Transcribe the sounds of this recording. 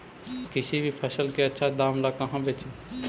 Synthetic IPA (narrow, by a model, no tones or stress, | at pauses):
kɪsibʱipʰəsəlkeətːʃʰad̪aːmlakɐɦãbeːt͡ʃẽ